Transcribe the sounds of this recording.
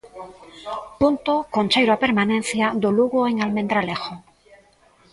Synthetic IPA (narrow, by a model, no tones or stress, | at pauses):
punt̪okont͡ʃejɾoape̞ɾmanẽn̟θjad̪oluɣoeŋalmend̪ɾalexo